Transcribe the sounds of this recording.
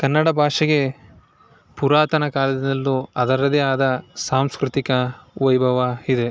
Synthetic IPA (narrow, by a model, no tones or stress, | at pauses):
kɐnːɐɽɐbʱaːʂɐɡe̞ | puɾaːt̪ɐnɐkaːlɐd̪inɐlːuɐd̪ɐɾɐd̪eaːd̪ɐsaːmskɾut̪ikɐʋɐjbʱɐʋɐid̪e̞